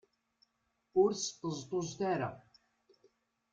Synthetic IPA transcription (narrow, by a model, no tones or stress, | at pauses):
ʊɾsə̥t̪ːəzˤt̪ˤozt̪aɾa̰